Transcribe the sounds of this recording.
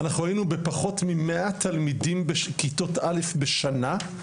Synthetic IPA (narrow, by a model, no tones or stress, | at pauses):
anaχnuʁainube̞paχo̞tmimeʔatalmidimbeʃkito̞tale̞fbe̞ʃana